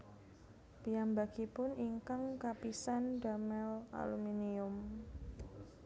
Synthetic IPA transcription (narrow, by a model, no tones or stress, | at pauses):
pijambaɡ̥ipʊniŋkaŋkapisandamɛla̰luminiʊm